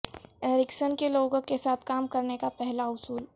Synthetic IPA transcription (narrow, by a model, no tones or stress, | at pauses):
ɾɪksənkeloːɡõkːesaːt̪ʰkaːmkɐɾnekapɛɦlaʊsuːl